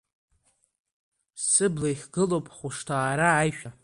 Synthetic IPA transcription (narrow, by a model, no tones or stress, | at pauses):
sɨblajχʲɡɨlowpʼχʷʊʂtʰaːɾaːjʃᶣa